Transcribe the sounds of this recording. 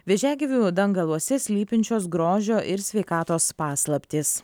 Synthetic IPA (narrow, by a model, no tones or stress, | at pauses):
ʋʲɛʒʲæːɡʲɪʋʲuːd̪ɐŋɡɐlˠuɔsʲɛsʲlʲiːpʲɪnʲt͡ʃʲoːsɡɾoːʒʲoːʔɪɾsʲʋʲɛɪkɑːt̪oːspɑːslˠɐpʲt̪ʲɪs